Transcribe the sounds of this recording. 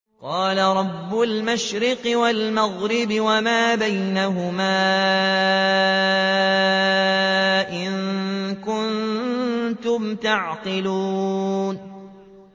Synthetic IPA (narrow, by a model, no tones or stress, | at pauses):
qɑːlaɾˤɑbːʊlmaʃɾɪqɨwalmaɣɾɪbɪwamaːbajnaɦʊmaː | ʔɪŋkʊn | t̪ʊmt̪aʕqɪluːn